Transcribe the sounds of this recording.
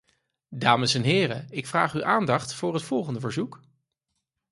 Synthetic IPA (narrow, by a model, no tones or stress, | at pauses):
daːməsɛnɦɪːrəɪkfraːχyʔaːndɑχtfʊːrɦətfɔlˠχəndəvəɹzuk